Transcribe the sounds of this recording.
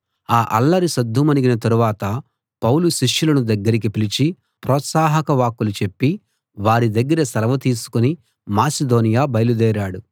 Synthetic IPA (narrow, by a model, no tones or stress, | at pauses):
aːʔɐlːɐɾisɐd̪ʱːumɐniɡinɐt̪ɐɾuʋaːt̪ɐ | pɐwluʃiʂjulɐnud̪ɐɡːɐɾik̬ipilit͡ʃi | pɾɔːt̪saːɦɐkɐʋaːkːulut͡ʃe̞pːi | ʋaːɾid̪ɐɡːɐɾɐsɐɾɐʋɐt̪iːsu̥kuni | maːsed̪o̞ːnijaːbɐjɐlud̪ɛːɾaːɽu